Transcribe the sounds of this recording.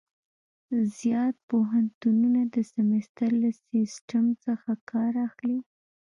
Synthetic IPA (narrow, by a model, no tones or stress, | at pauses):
zjɑt̪̚poɦant̪ununad̪əsɪmɪst̪əɾlasisʈamt͡səxakʰɑɾaxli